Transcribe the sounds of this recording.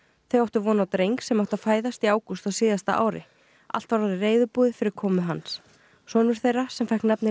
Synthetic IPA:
θejawht̪ʏvɔːnawt̪ɾejŋksɛmawht̪aðfaːjðast̪iaːwkust̪aðsiːðast̪a̰ʔa̰ːwɾɪ̰ | a̰l̥t̪vaɾaðɪreːjðʏpuːðɪfɪɾɪɾ̥kʰɔːmʏɦans | sɔnʏɾ̥θejrasɛmfɛhknapnɪ

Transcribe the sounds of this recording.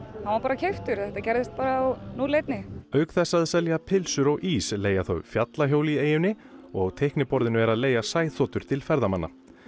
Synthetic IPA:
hanvaɾpaːɾacʰejft̪ʏɾ̥θɛht̪acɛɾðɪst̪̚paːɾanuleːjt̪nɪœɥkθɛsːaðsaljapʰɪlsʏɾɔɣʔisleːjaθœ̰ɥfjat̪laɦjowlieːjʏnːɪ | ɔɣt̪ʰejhknɪpɔɾðɪnʏɛɾaðleːjasaːjθɔːt̪ʏɾ̥t̪ʰɪlfɛɾðamanːa̰

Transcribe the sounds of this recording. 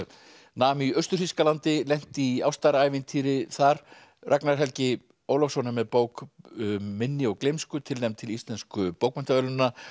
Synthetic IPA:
naːmiœɥst̪ʏɾ̥fiskalant̪ɪlɛn̥t̪ɪiawst̪aɾaːjvɪnt̪ʰiːɾɪθaɾ | rʔaknaɾ̥ɦɛlcɪ | owlɔfsɔnːamɛðpoːwk | mːɪnːɪɔɣklejmskʏt̪ʰɪlnejmt̪ʰɪlist̪lɛnskʏpowk̚mɛn̥t̪avɛlʏnːa

